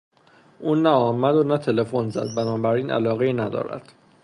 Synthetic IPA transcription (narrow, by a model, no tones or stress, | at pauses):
ʔuːnæɒːmæd̪onæt̪ʰe̞le̞fonzæ̰d̪̚bænɒːbæɾiːnʔæ̰lɒːɣeiːnæd̪ɒ̰ːɾæ̰d̪̥